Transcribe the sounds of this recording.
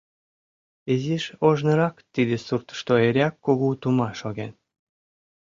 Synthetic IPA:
eziʃoʒnɤ̆ɾɑkt̪id̪ĕsurt̪ʃt̪oeɾʲɑkːoɣut̪umɑʃoɣen

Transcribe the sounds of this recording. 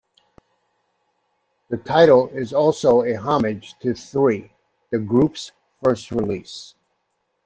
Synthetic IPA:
ðɨtʰaɪɾl̩ˠɪzɔlˠsoʊɨɦɑmɪd̥ʒ̥tʰɨθɹi | ðɨɡɹups | fɜ˞st̚ɹɪlis

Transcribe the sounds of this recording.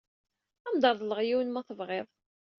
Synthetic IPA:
æmd̪ɑɾˤðˤləʁjiwənmæθəvʁeðˤ

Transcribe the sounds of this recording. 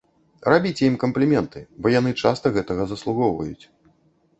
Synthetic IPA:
rabʲit͡sʲɛimkɐmplʲimʲɛnt̪ɨbɔjanɨt͡ʂast̪ɐɣɛt̪ɐɣɐzɐslˠuɣɔwvɐ̰jut͡sʲ

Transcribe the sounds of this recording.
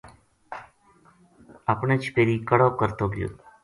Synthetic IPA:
aːpɳeːt͡ʃʰpeːɾiːkəɽoːkəɾt̪oːɡjo̰ː

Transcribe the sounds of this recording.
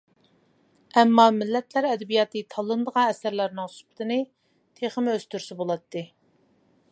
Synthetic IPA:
ɛmːɑmɪlːɛt̪ʰlæɾɛd̪ɛbijɑːt̪ʰɨt̪ʰɑlˠːɨnd̪əʁɑ̃ɛsæɾlæɾnɪŋsu̥pə̥t̪ʰɨnɨ | t̪ʰeχəmøz̥t̪ʰyɾsɪbolˠɑt̪ːɨ

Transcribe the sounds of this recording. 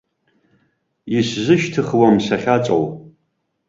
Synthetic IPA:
jɪɕʑɨʃtʰɨχwɐmɕɐχʲat͡ʃʼo̰w

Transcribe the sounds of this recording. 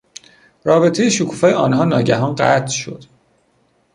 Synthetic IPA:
ɾɒːbe̞t̪ʰe̞jeʃokʰuːfɒːjeɒːnɦɒːnɒːɟæɦɒːnɢæ̰t̪ʰʃo̞̰d̪̥

